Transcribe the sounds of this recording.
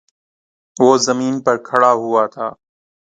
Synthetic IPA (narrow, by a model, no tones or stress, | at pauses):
ʋoːzəmiːnpəɾkʰəɽaːɦʊaːt̪ʰaː